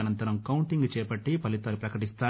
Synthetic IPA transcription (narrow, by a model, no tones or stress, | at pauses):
ɐnɐnt̪ɐɾɐmkɐwuɳʈiŋɡt͡ʃɛːpɐʈːipɐlit̪alupɾɐkɐʈist̪aː